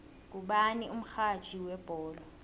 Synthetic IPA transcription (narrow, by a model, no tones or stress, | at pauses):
k̬ʼuɓaniʔum̩xʰat͡ʃʰʼiwɛb̥ʼʱɔːlɔ